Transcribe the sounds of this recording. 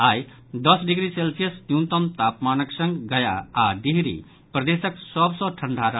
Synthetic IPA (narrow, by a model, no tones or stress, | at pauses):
aj | d̪ʌsɖiɡɾiselpʰijʌsnjũt̪ʌmt̪apmanʌksʌ̃ŋɡɡʌja̰aɖiɦɾḭ | prʌd̪esʌksʌbsʌ̃ʈʰʌɳɖʱaɾʌ